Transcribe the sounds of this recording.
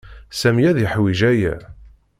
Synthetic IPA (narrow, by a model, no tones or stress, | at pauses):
sæmjæðjəħwiʒæjæ̰